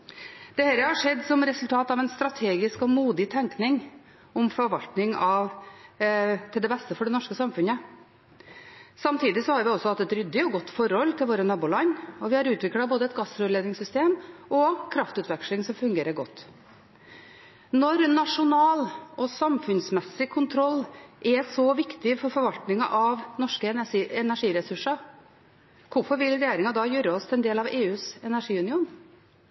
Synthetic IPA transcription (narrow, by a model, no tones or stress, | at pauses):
d̪̥ɛhɛːɾəhɑʂɛd̪ːsɔmɾɛsʉlt̪ʰɑːt̪ɑʋɛnst̪ɾɑt̪ʰeːɡɪskɔmuːd̪ɪt̪ʰɛŋknɪŋ | ɔmfɔɾʋɑlt̪nɪŋɑʋ | t̪ʰɪld̪ɛbɛst̪əfɔɖɛnɔʂkəsɑmfʉnə | sɑmt̪iːd̪ɪsɔhɑɾʋɪɔsɔhɑt̪ːɛt̪ɾʏd̪ːɪɔɡɔt̪ːfɔɾhɔlːt̪ʰɪlʋoːɾənɑbuːlɑɲɔʋɪhɑɾʉːt̪ʋɪklɑboːd̪əɛt̪ɡɑsɾøːleːd̪ɪŋsʏst̪eːmʔɔkʰɾɑft̪ʉːt̪ʰʋɛkʂlɪŋsɔmfʉŋɡeːɾəɾɡɔt̪ː | nɔɾnɑʂʊnɑːlʔɔsɑmfʉnsmɛsːɪkʰʊnt̪ʰɾɔlːʔɛsɔʋɪkt̪ɪfɔɾfɔɾʋɑlt̪nɪŋɑʔɑʋnɔʂkəɛnæʂiːɾɛsʉʂɑ | kʊɾfɔɾʋɪlɾɛjeːɾɪŋɑd̪ɑːjøːɾəɔst̪ʰlɛnd̪eːlɑʋeːʉːsɛnæʂiːʉnɪuːn